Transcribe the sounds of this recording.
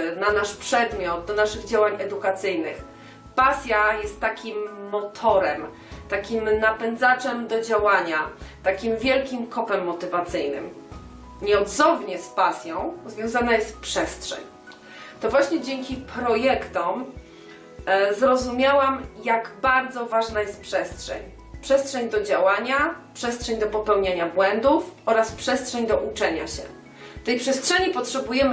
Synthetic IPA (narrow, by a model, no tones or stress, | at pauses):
nanaʂpʂɛd̪mʲjɔt̪̚d̪ɔnaʂɘɣd͡ʑawaɲɛd̪ukat̪sɘjnɘ̰x | pasʲjajɛst̪ːakʲimːɔt̪ʰɔɾɛm | t̪akʲimnapɛnd̪zat͡ʂɛmd̪ɔd͡ʑawaɲat̪akʲimvʲjɛlkʲimkʰɔpɛmːɔt̪ɘvat̪sɘjnɘ̰m | ɲɛɔd̪zɔvɲɛspasʲjɔ̃w̃zvʲjɔ̃w̃zanajɛst̪t̪pʂɛstʂɛ̰ɲ | t̪ɔvwaɕɲɛd͡ʑɛŋkʲipɾɔjɛkt̪ɔm | zɾɔzumʲjawamjaɡbaɾd̪zɔvaʐnajɛst̪̚pʂɛstʂɛ̰ɲ | pʂɛstʂɛɲd̪ɔd͡ʑawaɲapʂɛstʂɛɲd̪ɔpɔpɛwɲaɲabwɛnd̪ufɔɾaspʂɛstʂɛɲd̪ɔʔut͡ʂɛɲa̰ɕɛ̰ | ft̪ɛjpʂɛstʂɛɲipɔtʂɛbujɛmɘ